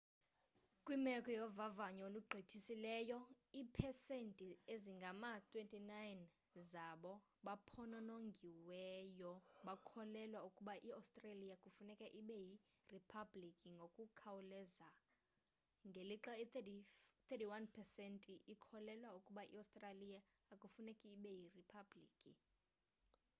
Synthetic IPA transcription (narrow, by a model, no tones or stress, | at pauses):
kʼwimɛkʼɔjɔvavaɲɔoluɡ͡ǃʱitʰisilɛjɔ | iːpʰɛsentʼieziŋɡʱamatʰʼwentʼinajn | zaɓɔ | ɓapʰɔnɔnoŋɡʱiwɛjɔɓakʰɔlɛlwaukʼuɓaʔiawstʼralijakʼufunɛkʼɛʔiɓɛji | ripʰablikʼiŋɡʱokʼukʰawulɛza | ŋɡʱeliǁaittit̪ʰetiwanpʰɛsɛntʼiʔikʰɔlɛlwaukʼuɓaʔḭawstʼralijaː | kʼufunɛkʼɛːɓɛjiripʰablḭːkʼi